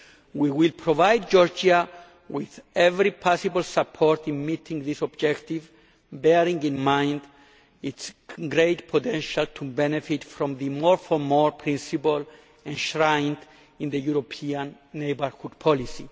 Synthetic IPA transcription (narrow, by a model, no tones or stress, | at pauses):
wiwilpʰɾovajd̚d͡ʒɔɹd͡ʒa | wiðɛvɾipʰasibalsapʰɔɹt̪ĩnmit̪ʰĩŋðisɔbd͡ʒɛktiv | bɛɾĩŋĩnmãjnd | itsɡɾejtpʰot̪ɛ̃nʃalt̪ʰubɛnefitfɾɔ̃mðɨmɔɹfɔɹmɔɹpʰɹĩnsipal | ɛ̃nʃɹãjnd | ĩnðəjuɾopʰiãnːejbəɹhud̚pʰɔlisi